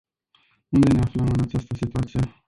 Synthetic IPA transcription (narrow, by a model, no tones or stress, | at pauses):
und̪e̞ne̞afləmɨnat͡ʃast̪əsit̪uat̪sije